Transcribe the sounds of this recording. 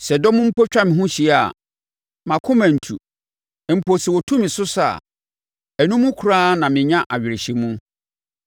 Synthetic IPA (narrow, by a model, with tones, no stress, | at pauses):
sɛ˨dɔ˦mũ˦m̩˦pʰo˦t͡ɕᶣa˦mɪ̃˨ɦũ˦ɕi˨˦˨a˨ | mã˨kʰʊ̃˦mã˨n̩˨tʰṵ˨ | m̩˨pʰo˨si˨wɔ˨tʰũ˦mɪ̃˨sʊ˦sa̰˨ | ɛ˨nũ˦mũ˦kʰu˨ɾaː˦nã˨mɪ̃˨ɲã˦ʔa˨ɥᶣɪ˨ɾɪ˨ɕi˨mũ˦